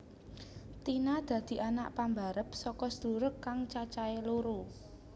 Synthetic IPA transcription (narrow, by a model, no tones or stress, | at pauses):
t̪inad̪̥ä̤d̪̥i̤ʔana̰ʔpambaɾəp̚sɔkɔsd̪uɾəkːaŋt͡ʃat͡ʃaeloɾu